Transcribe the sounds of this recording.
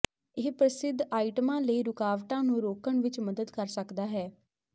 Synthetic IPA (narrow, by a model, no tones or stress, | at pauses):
ɪːpɾəsɪd̪ʱːaːiʈəmãːləiːɾʊkaːʋʈãːnũːɾoːkəɳʋɪt͡ʃməd̪əd̪kəɾsəkd̪aːɦɛː